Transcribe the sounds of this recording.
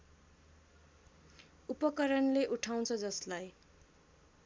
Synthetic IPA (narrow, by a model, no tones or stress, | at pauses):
upʌkʌɾʌnleʔuʈʰaw̃t͡sʰʌd͡zʌslaj